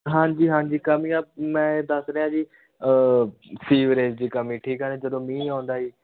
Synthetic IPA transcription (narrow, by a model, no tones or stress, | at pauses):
ɦãːɲd͡ʒiːɦãːɲd͡ʒiːkəmĩːabmɛ̃ːd̪əsɾeːãːd͡ʒiː | siːʋɾeːd͡ʒd͡ʒ̪iːkəmĩːʈʰiːkɦɛːned͡ʒəd̪õːmĩːaːnd̪aːiː